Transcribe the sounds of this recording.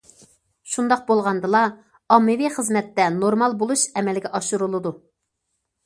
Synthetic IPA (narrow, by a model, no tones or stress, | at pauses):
ʃund̪ɑq̚bolˠʁɑnd̪ɨlˠɑ | ɑmːɨwiχəzmɛt̪ːɛnoɾmɑlˠbolˠuʃɛmɛlɡʲɛʔɑʃuɾulˠɨd̪u